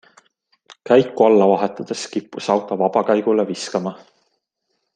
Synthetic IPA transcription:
kæjkːuɑlːɑvɑɦe̞t̪ːˑɑd̪̥e̞skipːusɑwt̪ˑɑvɑb̥ɑkæjɡ̥uleviskɑmɑ

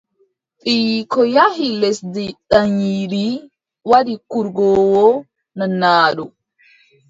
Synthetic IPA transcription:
ɓiːkɔjahilɛsdiɗaɲiɾi | wadikuɾɡɔːwɔ | nanːaːɗɔ

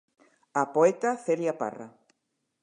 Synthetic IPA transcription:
apoet̪aθeɾjapa̰ra̰

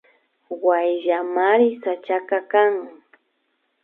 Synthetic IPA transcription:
wajʎamaɾɪsat͡ʃakakaŋ

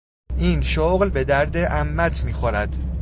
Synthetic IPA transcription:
ʔiːnʃoɣlbe̞d̪æɾd̪eʔæmːæt̪ʰmiːxoɾæd̪̥

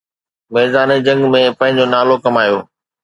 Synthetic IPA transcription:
meːzaːnid͡ʑɐ̃ŋɡmẽpɐ̃ɦɪ̃ɲd͡ʑonaːlokɐmaːjoː

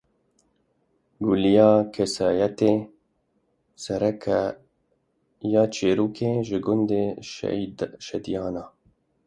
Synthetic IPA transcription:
ɡulijɑːkʰesɑːjɛt̪eː | sɛɾɛkʰæ | jɑːt͡ʃʰeːɾuːkʰeːʒɨɡʊnd̪ḛ | ʃɛd̪ijɑːnɑː

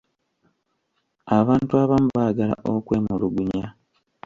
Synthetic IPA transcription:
aβaːntuaːβamuβaɡala̰ʔokwe̞ːmuluɡuɲa

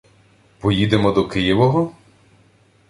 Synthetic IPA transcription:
pɔjid̪emɔd̪ɔkɪjiʋɔɦɔ

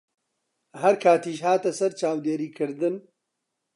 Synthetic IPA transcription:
ɦɐɾkʰaːt̪iːʃhaːt̪ɐsɐɾt͡ʃaːwd̪eːɾiːkʰɨɾd̪ɨn

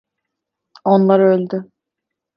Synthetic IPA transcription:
o̞nlˠaɾølʲd̪ʏ

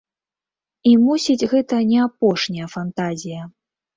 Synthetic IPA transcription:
imusʲid͡zʲɣɛt̪ɐnʲɛapɔʂnʲɐjɐfant̪azʲijɐ

